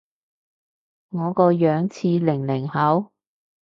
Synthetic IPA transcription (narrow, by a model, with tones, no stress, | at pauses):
ŋɔː˨˧kɔː˧jœː˨˧˥ŋt͡sʰiː˧lɪ˨˩ŋlɪ˨˩ŋhɐ˨˥w